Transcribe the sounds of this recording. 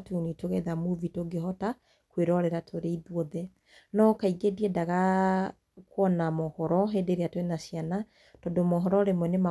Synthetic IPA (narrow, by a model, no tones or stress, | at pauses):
tunitoɣɛðamuvitoɡehɔta | kweɾɔɾɛɾatʰoɾeiðwɔðɛ | nɔkaiɡediɛdaɣa | kwɔnamɔhɔɾɔɦedeɾeatwenasiana | tɔdomɔɦɔɾɔɾemwɛnema